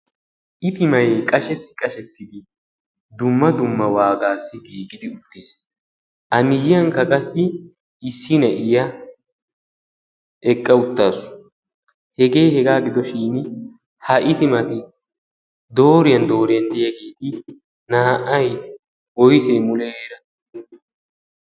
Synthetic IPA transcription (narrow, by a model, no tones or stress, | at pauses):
ʔɪt̪ɪmɐjkʼɐʃɛt̪ːɪ̥kʼɐʃɛt̪ːɪd̪ɪ | d̪ʊmːɐd̪ʊmːɐwaːɡaːsːɪɡiːɡɪd̪ɪʊt̪ːɪs | ʔɐmɪjɪjɐŋkɐkʼɐsːɪ | ɪsːɪnɐʔɪjɐ | ʔɛkʼːɐʊt̪ːaːsʊ̥ | hɛɡe̞ːhɛɡaːɡɪd̪ɔʃiːn | hɐʔɪt̪ɪmɐt̪ɪ | d̪o̞ːɾɪjɐnd̪o̞ːɾɪjɐnd̪ɛjɐɡeːt̪ɪ | naːʔɐj | wɔjseːmʊleeːɾɐ